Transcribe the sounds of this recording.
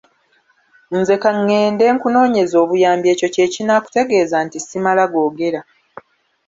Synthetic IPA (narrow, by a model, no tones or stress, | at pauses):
nze̞kaŋːe̞ːnde̞ːŋkuno̞ːɲe̞zo̞ːβujaːmbje̞ːco̞ce̞ːcinaːku̥te̞ɡe̞ːzantisimalaɡo̞ːɡe̞ɾa